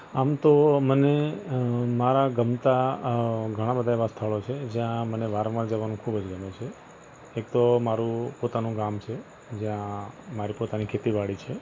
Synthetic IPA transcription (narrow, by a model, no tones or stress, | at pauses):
amt̪oməne | maɾaɡəmt̪a | ɡʱəɽ̃ãbəd̪ʱaeʋast̪ʰəɭot͡ʃʰed͡ʒjãməneʋaɾʋaɾd͡ʒəʋanũkʰubəd͡ʒɡəmet͡ʃʰe | ek̚t̪omaɾũpot̪anũɡamt͡ʃʰe | d͡ʒjãmaɾipot̪anikʰet̪iʋaɽit͡ʃʰe